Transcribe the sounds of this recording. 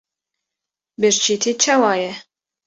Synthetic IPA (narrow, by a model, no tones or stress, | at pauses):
bɨɾt͡ʃʰit̪ʰit͡ʃʰɑwɑːjɛ